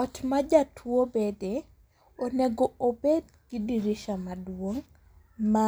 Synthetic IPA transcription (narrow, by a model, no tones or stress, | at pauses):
ɔt͡ʃmad͡ʒatʰwobede | oneɡoobed | ɡ̥ɪdiɾiʃamadwoŋ | ma